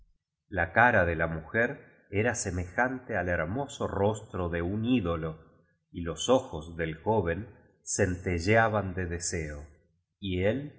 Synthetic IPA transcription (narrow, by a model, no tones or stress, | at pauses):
lakaɾaðelamuxeɾ | eɾase̞me̞xant̪eale̞ɾmo̞soro̞st̪ɾo̞ðe̞uniðo̞lo̞ | ilo̞soxozðe̞lxo̞βe̞n | sent̪eʒaβand̪eðeseo | iel